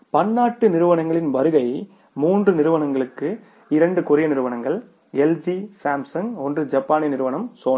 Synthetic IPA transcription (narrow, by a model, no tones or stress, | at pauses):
pɐnːaːʈːɯnɪɾɯʋɐɳɐŋɡɐɭɪnʋɐɾɯɣɐɪ | muːndrɯnɪɾɯʋɐnɐŋɡɐɭɯkːɯ | ɪɾɐɳɖɯkʊɾɪjɐnɪɾɯʋɐɳɐŋɡɐɭ | ɛld͡ʒisaːmsɐŋɡɔndrɯd͡ʒɐpːaːnɪnɪɾɯʋɐnɐmsoːn